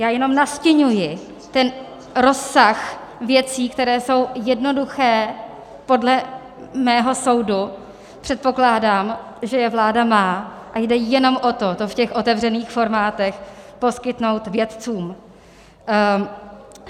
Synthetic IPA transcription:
jaːjɛno̞mnascɪɲujɪ | t̪ɛn | ɾo̞sːax | vjɛt͡siːkt̪ɛɾɛːso̞wjɛdno̞duxɛː | po̞dlɛ | mɛːɦo̞so̞wdu | pr̥ɛt̪̚po̞klaːdaːm | ʒɛjɛvlaːdamaː | ʔajdɛjɛno̞mʔo̞t̪o̞t̪ofcɛxʔo̞t̪ɛvrɛniːxfo̞ɾmaːt̪ɛxpo̞skɪt̪no̞wt̪vjɛt̪t͡suːm

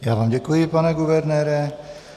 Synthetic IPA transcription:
jaːʋaːmɟɛkujɪpanɛɡoʋɛɾnɛːɾɛ

